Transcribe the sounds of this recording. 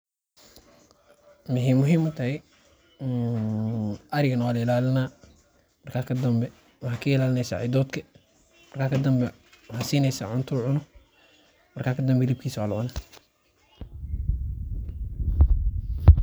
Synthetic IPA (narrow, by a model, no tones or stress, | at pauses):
mʊɦiːmʊɦiːmʊt̪ʰɐhɛ | ʔɐɾɪɣɐnɐwaːlɐɪlaːlɪnaː | mɐrkʰaːkʰɐd̪ɐmbɛ | wɐħːkʰɐɪlaːlɪnɛjsa̰ʕa̰jd̪ɔːd̪kʰɐ | mɐrkʰaːkʰɐd̪ɐmbɛ | wħasiːnɛjsɐʕʊnt̪ʰʊʕʊnʊ | mɐrkʰaːkʰɐd̪ɐmbɛlib̚kʰiːswaːlɔna